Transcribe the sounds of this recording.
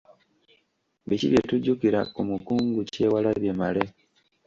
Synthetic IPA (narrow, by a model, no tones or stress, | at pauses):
βiciβjetuɟukiɾakumukuːŋɡuce̞ːwalaβjemale